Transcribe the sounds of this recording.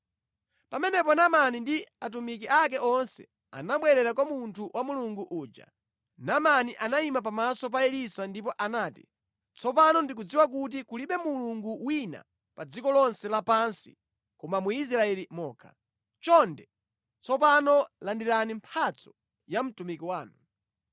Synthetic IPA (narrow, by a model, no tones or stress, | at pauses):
pamɛnɛpɔnamanindiat̬umik̬iʔak̬ɛʔɔnsɛ̰ | a̰naɓwɛɾɛɾakwamuntʰuwʔamuluŋɡuʔuːd͡ʒa̰ | namaniʔanaimap̬amasɔp̬aɛɾisandipɔʔanaːti̥̰ | t͡sɔp̬anɔndik̬ud͡ziwak̬ut̬ikuliɓɛmuluŋɡuwina̰ | pad͡zikɔlɔnsɛlapansḭ | kɔmamuis̬ɾaɛlimɔːkʰa | t͡ʃɔndɛ | t͡sʰɔp̬anɔlandiɾanimpʰat͡sɔ̥ | jam̩tumikiwaːnu